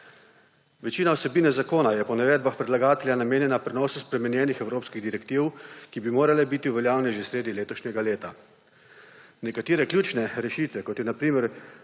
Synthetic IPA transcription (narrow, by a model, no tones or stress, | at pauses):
ʋɛt͡ʃiːnawsɛbiːnɛzakoːnajɛpɔnɛʋɛːd̪baxpɾɛd̪laɡaːt̪ɛljanameːnjɛnapɾɛnɔːsuspɾɛmɛnjɛːnixɛwɾoːpskiɣd̪iɾɛkt̪iːwkibimoːɾalɛbiːt̪iwʋɛljaːwlnɛʒewsɾeːd̪ileːt̪ɔʃnɛɡaleːt̪a | nɛkat̪iːɾɛklʲjuːt͡ʃnɛɾɛʃiːt̪ʋɛkɔt̪jɛnapɾiːmɛɾ